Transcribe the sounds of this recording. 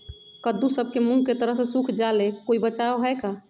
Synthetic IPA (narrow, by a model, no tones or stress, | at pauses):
kəd̪usəb̚kemũɡket̪əɾəɦsẽsukʰd͡ʒalekoibət͡ʃaoɦəjka